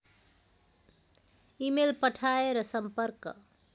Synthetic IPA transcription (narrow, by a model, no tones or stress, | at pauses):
imelpəʈʰaeɾʌsəmpəɾk